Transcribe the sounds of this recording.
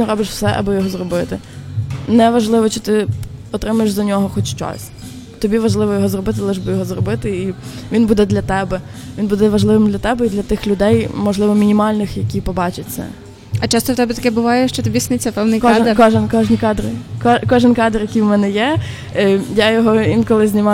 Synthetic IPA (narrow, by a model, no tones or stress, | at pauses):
nɛɾɔbɪʃw̥sɛ̰ʔɐ̰bɔjɔɦɔzrɔbɪt̪ɪ | nɛʋɐʒlˠɪʋɔt͡ʃɪ̥t̪ɪɔt̪ɾɪmɐjeʃzɐnʲɔɦɔxɔt͡ʃt͡ʃɔ̰sʲ | t̪ɔbʲiʋɐʒlˠɪʋɔjɔɦɔzrɔbɪt̪ɪlˠɪʒbɪjɔɦɔzrɔbɪt̪ɪiʋʲinbud̪ɛd̪lʲɐt̪ɛbɛ | ʋʲinbud̪ɛʋɐʒlˠɪʋɪmd̪lʲɐt̪ɛbɛid̪lʲɐt̪ɪxlʲʊd̪ɛjmɔʒlˠɪʋɔmʲinʲimɑlʲnɪxjɐkʲipɔbɑt͡ʃɪt͡sʲɐ̰ | ɐt͡ʃɑst̪ɔwt̪ɛbʲɛt̪ɐkɛbʊʋɑjɛʃt͡ʃɔt̪ɔbʲisnɪt͡sʲɐpɛwnɪkɔkɔʒɪnkɔʒnʲikɑd̪ɾɪkɔkɔʒɪnkɑd̪rjɐkʲijwmɛnɛjɛ | jajɔɦɔinkɔlˠɪzʲnʲimɑ